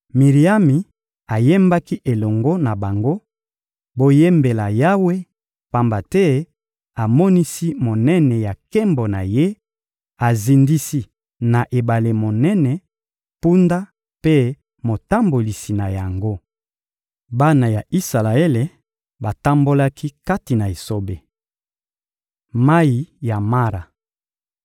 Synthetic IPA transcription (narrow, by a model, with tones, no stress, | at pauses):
mi˨ʁi˨a˦mi˨ | a˨je˦mba˦ki˦ʔe˨lɔ˨ŋɡo˦na˨ba˨ŋɡo˦ | bo˦je˦mbe˨la˨ja˦we˦ | pa˦mba˨tɛ˦ | a˨mɔ˦ni˦si˦mo˨nɛ˦nɛ˨ja˨ke˦mbo˨na˨je˦ | a˨zi˨ndi˦si˦ | na˨ʔe˨ba˨le˨mo˨nɛ˦nɛ˨ | pu˦nda˦ | pe˦ | mo˨ta˦mbo˨li˨si˨na˨ja˨ŋɡo˦ | ba˦na˨ja˨ʔi˦sa˨la˨e˦le˨ | ba˨ta˦mbo˦la˦kʰi˦ka˦ti˨na˨e˨so˦be˨ | ma˦i˨ja˨ma˦ɾa˨